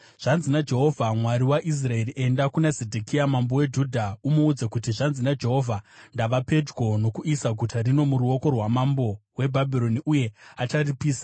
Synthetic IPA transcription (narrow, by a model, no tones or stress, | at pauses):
ʐ̥anzinad͡ʒe̞ɦo̞vʱamwaɾiwaʔis̬rae̞riʔe̞ndakunazedʱikiamambo̞we̞d͡ʒudʱaumoud͡zakutiʐanzinad͡ʒe̞ɦo̞vʱandaʋape̞d͡ʒɡo̞no̞kuisaɡʱutʰaɾino̞muɾuo̞ko̞rwamambo̞we̞bʱabʱiɾo̞niʔuje̞at͡ʃaripiːsḁ